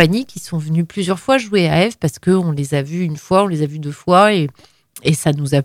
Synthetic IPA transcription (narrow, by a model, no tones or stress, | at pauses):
aɲikʲisɔ̃vənyplyzjœʁfwaʒueaɛfpaʁsə̥kəɔ̃lezavyːnfwaɔ̃lezavyd̪øfwae | esanuza